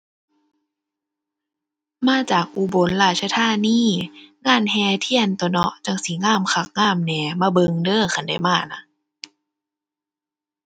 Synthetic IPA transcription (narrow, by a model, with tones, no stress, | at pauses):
maː˧˥˨t͡ɕaː˨˩k̚ʔuː˧˦bo˨˦nlaː˧˩t̪̚sʰa˧t̪ʰaː˧˥˨niː˧˥˨ŋaː˧˥˨nɦɛː˧t̪ʰi˧˩˨ənt̪ɔ˧˩nɔ˧t͡ɕa˧˩ŋsi˨˦ŋaː˧˥˩mkʰa˧k̚ŋaː˧˥˨mnɛː˨˧maː˧˩bɤ˧ŋdɤː˧˥˨xa˧˨nda˧˩jmaː˧˩˨na˧